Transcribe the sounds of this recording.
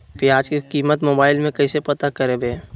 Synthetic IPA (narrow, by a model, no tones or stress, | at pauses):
piaːd͡ʒkikiːmət̪moːbaːɪlmẽkɐɪsepət̪akəɾebeː